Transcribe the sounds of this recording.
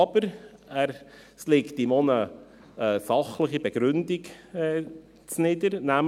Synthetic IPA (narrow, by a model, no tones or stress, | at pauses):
ɑb̥əɾæɾ | slɪktɪmonə | əsɑχləχibɛɡ̥ɾʏndɪɡɛ | t͡snɪdəɾnæm